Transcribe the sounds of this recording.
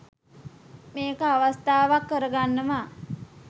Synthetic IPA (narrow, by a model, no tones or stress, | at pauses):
meːkəaʋast̪aːʋakːəɾəɡanːəʋaː